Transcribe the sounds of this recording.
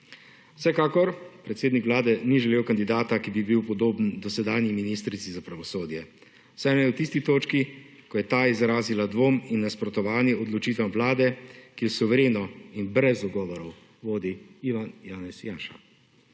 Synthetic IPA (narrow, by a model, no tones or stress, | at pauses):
w̥sɛkaːkɔɾpɾɛt̪seːd̪nikʋlaːd̪ɛniʒɛleːwkand̪id̪aːt̪akibibiwpɔd̪oːbnd̪ɔsɛd̪aːniminist̪ɾit̪sizapɾaʋɔsoːd̪jɛ | wsɛjmɛwt̪ist̪it̪oːt͡ʃki | kɔjɛt̪aːizɾaːzilad̪ʋoːminːaspɾɔt̪ɔʋaːniɔd̪lɔt͡ʃiːt̪̬ɛmʋlaːd̪ɛkiɛsuʋɛɾeːnɔinbɾɛzɔɡɔːʋɔɾɔw | ʋoːd̪iiʋanjaːnɛsjaːʃa̰